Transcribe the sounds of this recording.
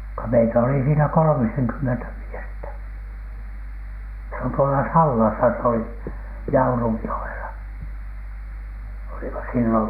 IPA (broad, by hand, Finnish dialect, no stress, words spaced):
ko meitæ oli siːnæ kolŏmiseŋkymːentæ miestæ se on tuolɑ sɑlːɑsɑ s oli jɑurujːoelɑ olimɑ silːon